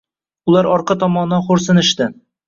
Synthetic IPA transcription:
ʊlˠaɾɒɾqɑt̪ʰɒmɒnɒχoɾsɪnɪʃt̪ɪ

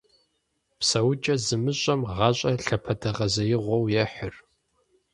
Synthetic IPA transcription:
psɐwʊt͡ʃʼɐzɨmɨɕʷʼɐmʁɑɕʼɐɬɐpʰɐdʰɐʁɐzɐjɪʁʷɔwjɛħʊr

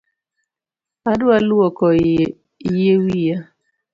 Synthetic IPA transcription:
adwalwɔkɔ | jewija

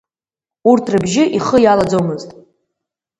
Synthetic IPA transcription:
urtʰrɨbʒɪʔiχəjalad͡zowmɨztʼ

